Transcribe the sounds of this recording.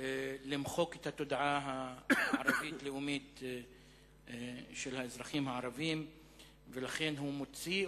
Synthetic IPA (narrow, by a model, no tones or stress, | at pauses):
limχo̞ket̪hat̪o̞d̪aʔaɦaaɾavitleumit̪ | ʃe̞lhaezʁaχimhaaʁavim | velaχe̞nɦumo̞t͡si